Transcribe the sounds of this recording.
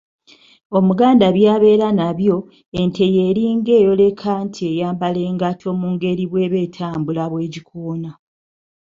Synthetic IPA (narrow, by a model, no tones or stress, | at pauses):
o̞muɡaːndaβjaːβe̞ːɾanaβjo̞ | e̞ntʰe̞je̞ːɾiːŋɡe̞ːjo̞le̞kʰantʰie̞jaːmbale̞ːŋɡatʰo̞muːŋɡe̞ɾiβweːβe̞ːtʰaːmbulaβwe̞ːɟikʰuːna